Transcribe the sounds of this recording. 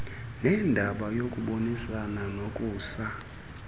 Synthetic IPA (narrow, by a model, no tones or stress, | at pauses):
nɛndʱaɓajokʼuɓonisananokʼuːsa